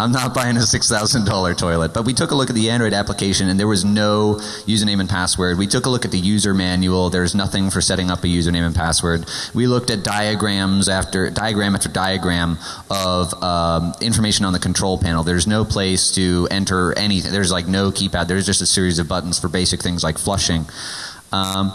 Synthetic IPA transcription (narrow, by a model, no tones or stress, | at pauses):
ãɪ̃mnət̚b̥aɪɪ̃ŋɨsɪksθaʊzɨ̃ndɔlˠə˞tʰɔɪlˠət̚b̥ʌt̚witʰʊkəlʊkɨt̪̚ðiæ̃ndɹɔɪɾæpləkʰeɪʃɨ̃nɨ̃nðə˞wʌznoʊ | jʉzə˞nẽɪ̃mɨ̃n̩pʰæswə˞d̚witʰʊkəlʊkɨt̪̚ðɨjʉzə˞mæ̃njul̩ˠðə˞znʌθɪ̃ŋfə˞sɛɾɪ̃ŋʌpɨjʉzə˞nẽɪ̃mɨ̃npʰæswə˞d̚wilʊk̚tɨt̚d̥aɪɨɡɹæ̃mzæftə˞daɪɨɡɹæ̃mæftə˞daɪɨɡɹæ̃m | ʌvʌʔɪ̃ɱfə˞meɪʃɨ̃nə̃nðɨkʰn̩tʰɹ̥oʊlˠpʰæ̃nl̩ˠðə˞znoʊpʰl̥eɪstʰɨɛ̰̃ntʰə˞ɛñiθɪ̰̃ŋðə˞zlaɪk̚noʊkʰipæðə˞zd͡ʒʌstɨsɪɹizʌvbʌʔn̩z̥fə˞beɪsɨk̚θɪ̃ŋzlaɪkflʌʃɪ̃ŋ | ʌ